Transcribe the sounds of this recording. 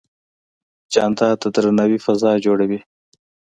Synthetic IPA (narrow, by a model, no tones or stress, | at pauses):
d͡ʒɑːnt̪ɑːt̪at̪əɾnawifazɑːd͡ʒoɽawi